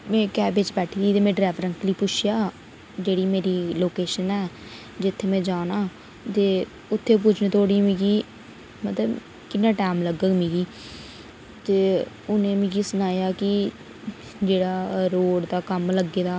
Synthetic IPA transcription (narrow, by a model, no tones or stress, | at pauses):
mɛ̃ːkɛːbɪt͡ʃbɛːʈʰiːd̪iːt̪eːmɛ̃ːɖɾɛːʋɾənʈliːpʊt͡ʃʰjaː | d͡ʒeːɽiːmeːɾiːloːkeːʃənɛː | d͡ʒɪt̪ʰːeːmɛ̃ːd͡ʒaːnaː | t̪eː | ʊt̪ʰːeːp̬ʊːt͡ʃʰnẽːt̪ʰoːɽiːmĩːɡiː | mət̪ləb | kɪnːaːʈɛːmləɡəɡmĩːɡiː | t̪eː | ʊnẽːmĩːɡiːsʊnaːjaːkɪ | d͡ʒeːɽaːɾoːɽd̪aːkəmləɡːeːd̪aː